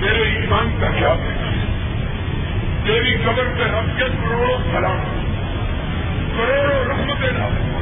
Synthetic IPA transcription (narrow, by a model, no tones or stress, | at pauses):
meːɾeiːmaːnkakjaːbɦɛː | t̪eːɾikɐbəɾseɾɐfkekɾoːɽõkʰɐlaː | pɐɾeːɾoɾɐɦmd̪eːnaː